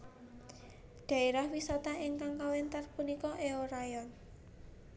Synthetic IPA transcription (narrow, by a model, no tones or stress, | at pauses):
ɖ̪̥ä̤iɾahwisat̪aiŋkaŋkawɛnt̪arpunikɔʔeoɾajɔn